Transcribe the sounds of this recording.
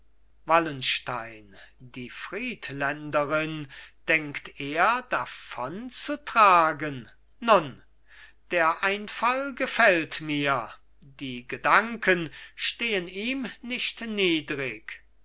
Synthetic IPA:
valənʃtaɪndiːfʁ̥iːtlɛndəʁɪnd̥ɛŋkteːɐdafɔnt͡sutʁ̥aːɡənː | ʊn | d̥eːɐʔaɪnfalɡəfɛltmiːɐ | diːɡədaŋkənʃteːəniːmnɪʃtniːdʁɪk

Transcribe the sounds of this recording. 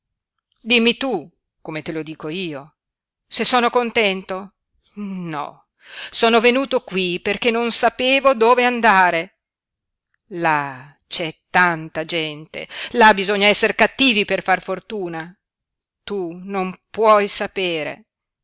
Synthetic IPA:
d̪imːit̪u | komet̪elod̪iːkoiːo | sesːoːnokont̪ɛnt̪o | nɔ̰ | soːnovenuːt̪okwiperkenːonsapeːvod̪oːveand̪aːɾe | la | t͡ʃɛt̪ːant̪ad͡ʒɛnt̪ḛlabizoɲːaɛsːeɾekat̪ːiːviperfarfort̪uːna | t̪unompwɔjsapeːɾḛ

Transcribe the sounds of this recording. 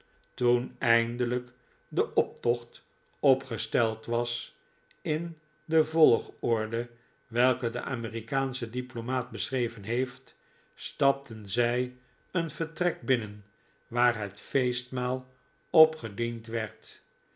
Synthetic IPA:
tunɛjndələk | dəʔɔp̚tɔχt | ɔpχəstɛlˠtʋɑs | ɪn | dəvɔlˠχɔɹdə | ʋɛlˠkədə̰ʔa̰ːmiːrikaːnsədiplomaːt̚bəsrejvənɦejft | stɑp̚tʰənzɛj | ənv̥əɹtrɛk̚bɪnən | ʋaːɹɦətfejstmaːlˠ | ɔpχədintʋɛɹt

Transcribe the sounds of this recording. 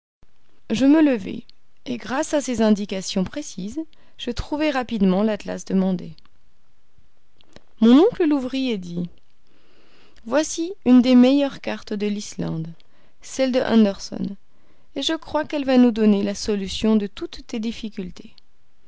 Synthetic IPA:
ʒəmələvḛ | eɡʁasasezɛ̃d̪ikasjɔ̃pχesiz | ʒ̥ət̪χuvɛʁapid̪mɑ̃lat̪la̰sd̪əmɑ̃d̪e | mɔ̃nɔ̃kləluvʁijed̪i | vwasiynd̪emejœʁkaʁt̪d̪əlislɑ̰̃d̪ | sɛld̪əʔã̰nd̪ɛʁsɔ̰n | eʒəkχwakɛlvanud̪ɔnelasɔlysjɔ̃d̪ət̪ut̪ːed̪ifikʲylt̪ʰe

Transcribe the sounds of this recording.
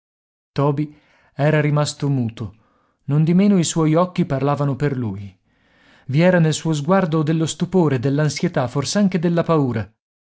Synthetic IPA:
t̪ɔːbi | ɛːɾaɾimast̪omuːt̪o | nond̪imeːnoiswɔjɔkːiparlaːvanoperluːj | viɛːɾanelsuːozɡward̪od̪elːost̪upoːɾed̪elːansjet̪aforseaŋked̪elːapauːɾa

